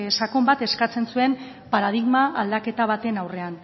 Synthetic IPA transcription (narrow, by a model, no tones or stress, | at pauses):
sakombat̪e̞skat͡se̞nsue̞m | paɾað̞iɣmaʔald̪ake̞t̪aβ̞at̪e̞nawre̞an